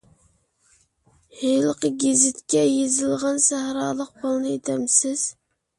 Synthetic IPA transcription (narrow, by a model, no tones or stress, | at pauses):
hejlˠəqʰəɡʲezɪt̪kʲɛjezɪlˠʁɑnsæhɾɑːlˠəq̚bolˠnɨet̪ʰɛmsɪz̥